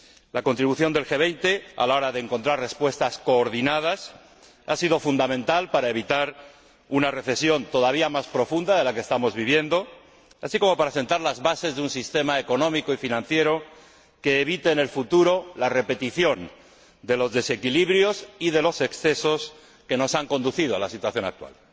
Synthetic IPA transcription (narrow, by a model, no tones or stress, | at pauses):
lakont̪ɾiβuθjo̞nd̪e̞lxeβ̞e̞jnt̪e̞a̰lao̞ɾaðeːŋko̞nt̪ɾarre̞spwe̞st̪asko̞ːɾðinað̞as | a̰siðo̞fund̪amẽ̞nt̪alpaɾae̞β̞it̪aɾ | unare̞θe̞sjo̞nt̪o̞ðaβ̞iamaspɾo̞fund̪aðe̞lakest̪amo̞zβiβje̞nd̪o̞ | asiko̞mo̞paɾase̞nt̪aɾlazβase̞zðeunsist̪e̞maeko̞nõ̞mikoifinãnθje̞ɾo̞ | ke̞ːβit̪eːne̞lfut̪uɾolare̞pe̞t̪iθjo̞n | d̪e̞lo̞zðe̞se̞kiliβɾjo̞siðe̞lo̞se̞ksθe̞so̞s | ke̞no̞saŋko̞nd̪uθiðoalasit̪waθjo̞na̰k̚t̪wa̰l